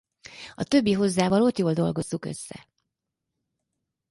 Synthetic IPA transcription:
ɒt̪ø̞bːiɦo̞zːaːvɒlo̞t̪joːld̪o̞̰lɡo̞zːukø̞̰sːɛ̰

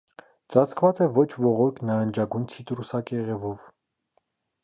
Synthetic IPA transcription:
t͡sɑt͡sʰkvɑt͡sɛvɔt͡ʃʰvɔʁɔɾkʰnɑɾənd͡ʒɑɡujnt͡sʰit̪ɾusɑkɛʁɛvɔv

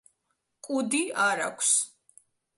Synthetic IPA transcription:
kʼud̪iaɾa̰kʷʰs

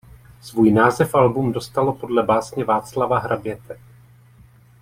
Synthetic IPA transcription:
svuːjnaːzɛfʔalbumdo̞st̪alo̞po̞dlɛbaːsɲɛvaːt͡slavaɦɾabjɛt̪ɛ

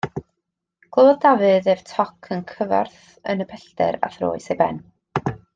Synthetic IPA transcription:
ɡ̥lˠəwɔðdavɨðeːv̥tʰɔkʰənkʰəva̰rθ | ə̰nəpʰɛɬtɛ̰ɾa̰θro̰ːɨsejbɛ̰n

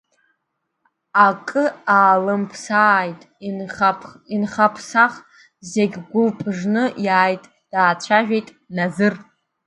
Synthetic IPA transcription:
akʼɨaːlɨmpʰsaːjtʼ | inχapʰsaχ | zeɡʲɡʷʊlpʼʰʐnɨjaːjtʼ | d̥aːt͡ɕʷʰaʒᶣejtʼ | nazɨr

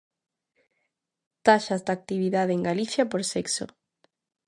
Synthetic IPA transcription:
t̪aʃazd̪ak̚t̪iβ̞iðaðeeŋɡaliθjapoɾsɛkso̰

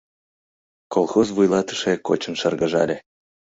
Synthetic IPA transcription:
kolˠxozvujlˠɑt̪ə̥̆ʃeko̰t͡ɕənʃərɣəʒɑ̰lʲe

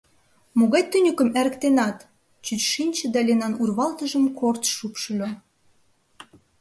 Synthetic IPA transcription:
moɣɑjt̪ːynʲykəmæɾə̆kt̪enɑt̪ | t͡ɕyt͡ɕʃinʲt͡ɕə̆d̪ɑlʲenɑnurβɑlt̪əʒəmkʰort̪ʃupʃylʲɑ

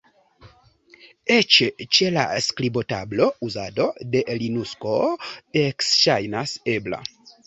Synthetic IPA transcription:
et͡ʃet͡ʃela̰sklibo̞tablo̞uzado̞de̞linuskoeksʃajnase̞bla̰

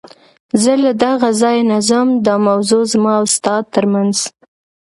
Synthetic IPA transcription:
zəlad̪aɣazɑjnazəmd̪əmawzozmɑawst̪ɑd̪̚t̪ːəɾmanz̥

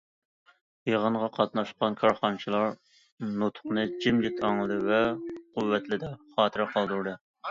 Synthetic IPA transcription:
jeʁəɴʁɑqʰɑt̪̚nɑʃɑnkʰɑɾχɑnɨt͡ʃʰilˠɑɾ | not̪ʰʊ̥χnɨd͡ʒɪmd͡ʒit̪ʰɑŋlɨd̪ɨvɛqʊvːɛt̪lɪd̪ɛχɑːt̪ʰɨɾqʰɑlˠd̪uɾd̪ɨ

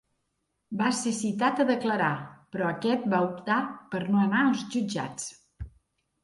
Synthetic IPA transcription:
basesit̪at̪əðəkləɾapɾɔəkɛt̪̚baup̚t̪apəɾnoənaəlˠzʒud͡ʒa̰t͡s

